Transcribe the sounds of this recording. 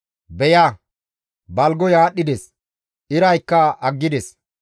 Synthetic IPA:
bɛjaː | bɐlɡɔjaːɗːɪd̪ɛs | ʔɪɾɐjkːɐʔɐɡːɪd̪ɛs

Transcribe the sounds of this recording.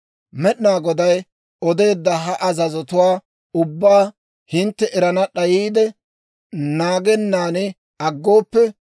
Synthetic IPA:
mɛɗɪnaːɡɔd̪ɐj | ɔd̪e̞ːd̪ːɐɦɐʔɐzɐzɔt̪ʊwaː | ʊbːaː | hɪnt̪ːɛʔɛɾɐnɐɗɐjiːd̪ɛ | naːɡɛnːaːnɪ | ɐɡːo̞ːpːɛ

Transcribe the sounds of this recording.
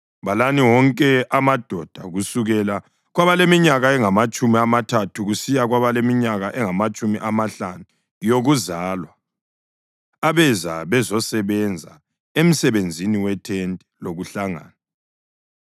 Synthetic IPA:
βalaniwɔŋkʼɛamad̥ʱɔd̥ʱaɣusuɣɛla | ɣwaβalemiɲaɣaɛŋamat͡ʃʼumiamatʰatʰuɣusijaɣwaβalemiɲaɣaʔɛŋamat͡ʃʼumiʔamaɬanu | joɣuzalwa | βɛzaβɛzɔsɛβɛnd͡zʱa̰ | em̩sɛβend͡zʱiniwɛtʰɛntʼɛloɣuɬaŋa̰ːna

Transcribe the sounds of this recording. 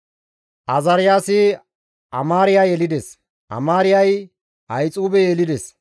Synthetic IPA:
ʔɐzɐɾɪjaːsɪ | ʔɐmaːɾɪjaːjɛlɪd̪ɛs | ʔɐ̰maːɾɪjɐj | ʔɐjt͡sʼuːbɛjeːlɪd̪ɛs

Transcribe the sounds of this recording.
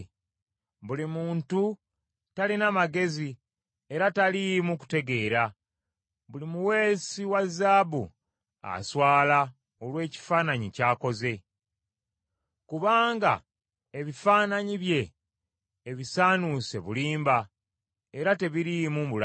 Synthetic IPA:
βulimuːntu | talinamaɡe̞zi | e̞ɾatalijmuku̥te̞ɡe̞ːɾa | βulimuwe̞ːsiwazaːbṵ | a̰swaːla | o̞lwe̞ːci̥faːnaɲicaːko̞ze̞ | kuβaːŋɡa̰ | eβifaːnaɲiβje̞ː | βisaːnuse̞βuliːmba | e̞ɾate̞βiɾijmuul

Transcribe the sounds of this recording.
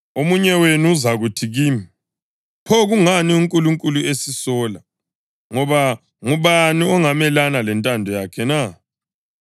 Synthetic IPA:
omuɲɛwenuːzaɣutʰiɣiːmi | pʰɔɣuŋaniuŋkʼuluŋkʼuluesisɔla | ŋɔβa | ŋuβaniɔŋamɛlanalɛntʼandʱɔjakʰɛna

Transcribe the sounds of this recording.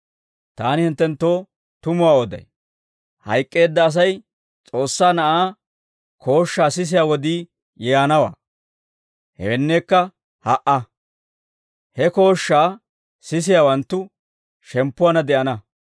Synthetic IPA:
t̪aːnɪhɪnt̪ːɛnt̪ːo̞ː | t̪ʊmʊwaːod̪ɐ̰j | hɐ̰jkʼːe̞ːd̪ːɐːs̬ɐj | t͡sʼo̞ːsːaːnɐʔaː | kʰo̞ːʃːaːsɪs̬ɪjaːwɔd̪iː | jɛjanɐwa̰ː | hɛ̰wɛnːeːkːɐ | hɐʔɐ | hɛko̞ːʃːaː | sɪs̬ɪjaːwɐnt̪ːʊ | ʃɛmpːʊwaːnɐd̪ɛʔɐnɐ

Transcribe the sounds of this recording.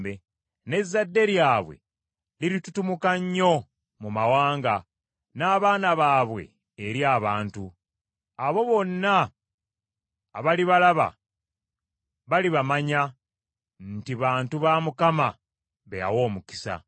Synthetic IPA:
be | ne̞zːadːe̞ɾjaːβwe̞̰ | liɾitutumukaɲːo̞ | mumawaːŋɡa | naːβaːnaβaːβwe̞̰ː | ɾjaːβaːntu | aβo̞βo̞nːa | βaliβalaβa̰ | βaliβamaɲa | ntiβaːntuβamukama | βeja̰wo̞ːmuki̥sa̰

